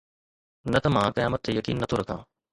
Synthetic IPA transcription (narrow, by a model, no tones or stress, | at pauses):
nɐt̪ɐmãːkəjaːmət̪ʰːeːjəkḭːnːət̪ʰoːɾəkʰã̰ː